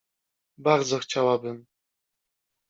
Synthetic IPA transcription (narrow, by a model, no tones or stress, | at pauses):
baɾd̪zɔxt͡ɕawabɘm